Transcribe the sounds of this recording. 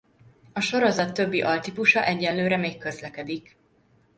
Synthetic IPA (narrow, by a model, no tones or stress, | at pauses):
ɒʃo̞ɾo̞zɒt̪ːøbːiʔɒlt̪ipuʃɒʔɛɟːɛnløːɾɛmeːkːø̞zlɛkɛd̪ik